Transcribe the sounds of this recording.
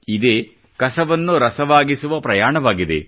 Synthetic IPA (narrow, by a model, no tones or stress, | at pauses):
id̪eː | kɐsɐʋɐnːuɾɐsɐʋaːɡisuʋɐpɾɐjaːɳɐʋaːɡid̪e̞̰